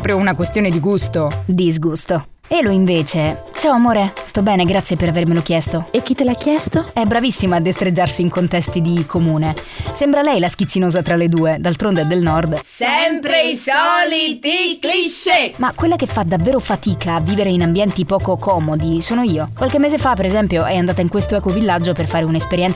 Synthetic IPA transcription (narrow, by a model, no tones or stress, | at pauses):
pɾounakwest̪joːned̪iɡust̪od̪izɡust̪o | eloiɱveːt͡ʃet͡ʃaoamoːɾest̪ɔbːɛːneɡɾat̪sjepeɾavermelok̟jɛst̪oek̟ːit̪ːelakːjɛst̪oɛbɾavisːimaːd̪ːest̪ɾed͡ʒːarsiːŋkont̪ɛst̪id̪ikʰomuːne | sembɾalɛjlask̟it̪sːinoːzat̪ɾaled̪uːed̪alt̪ɾond̪eɛd̪ːelnɔrd̪sɛmpɾeisɔlit̪ikliʃːemakːwelːakefad̪avːeːɾofat̪iːkaːvːiːveɾeinambjɛnt̪ipɔːkokɔːmod̪isoːnoiːokwalk̟emːeːzefapːeɾezɛmpjoʔɛjand̪aːt̪aiŋkwest̪oɛːkovilːad͡ʒːoperfaːɾeunaespeɾjɛnt̪s